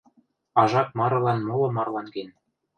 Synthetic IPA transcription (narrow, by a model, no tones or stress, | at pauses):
ɑʒɑk̚mɑɾɤ̆lɑnmolɤ̆mɑrlɑnɡen